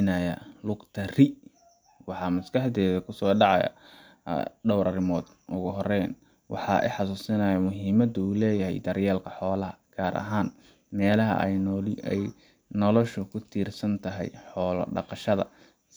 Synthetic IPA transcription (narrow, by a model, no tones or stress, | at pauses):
nɐjɐlʊɡt̪ʰɐrɪ | wɑħɑmɐskɑħd̪ɛːðɐkʰʊsɔːɖɑʕɑ̰jɐ̰ | ɖɔwɾɐrɪmɔːd̪ | ʔʊɣʊɦɔrɛjn | wɑ̰ħɑ̰ːʔɛ̰jħɑsuːsɪnɐjɐmʊɦiːmɐd̪uːlɛːjɐɦɛ̰jd̪ɐrjɛːlkʰɐħɔːlɐɦɐɡ̥aːɾʔɐ̰ɦaːn | mɛːlɐɦɐ̰ʔɛj | nɔlɔʃʊkʰʊt̪ʰiːrsɐnt̪ʰɐɦɛ̰jħɔːlɐ̰ɖɑ̰qɑʃɐðɐ̰